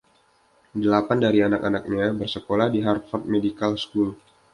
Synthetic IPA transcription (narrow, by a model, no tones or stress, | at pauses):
dəlapandaɾianakanak̚ɲabərsəkolahdiɦart̪̚fɔrt̪̚medikalskul